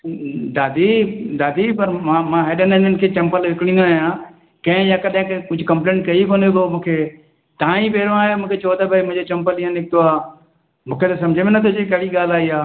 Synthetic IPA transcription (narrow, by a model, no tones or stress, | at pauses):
d̪aːd̪id̪aːd̪ipɐɾmãmãɦeːɗənenɪnkʰet͡ɕɐmpəlʋɪkɽ̃ĩn̆d̪aːjãː | kɐ̃ɦɪ̃jãkɐɗẽkkʊd͡ʒʱʊkɐ̃mplẽːɳʈ̚kɐikonobomũːkʰe | t̪ãːĩpeːɾõaːɦjomũːkʰet͡ʃɐot̪abɐimʊ̃ɦɲd͡ʑot͡ɕɐ̃mpəliːãnɪk̚t̪oaː | mũːkʰet̪asɐ̃md͡ʑʱemɪnɐt̪ʰod͡ʑekɐɽiɡaːlaːiaː